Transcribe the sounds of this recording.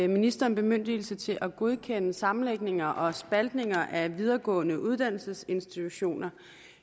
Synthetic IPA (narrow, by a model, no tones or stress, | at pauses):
minisd̥ɐnb̥e̝møn̰d̥il̩sət͡sʰe̝lʔæɡ̥o̝ð̞ˠkʰen̰əsɑ̈mn̩leɡ̥ne̝ŋɐʔɒ̽sb̥æld̥ne̝ŋɐʔæʋið̞ˠɐɡ̥ɔ̰̽ːnəʔuð̞ˠd̥æn̰l̩səse̝nsd̥it͡sʰuɕo̝̰ːnɐ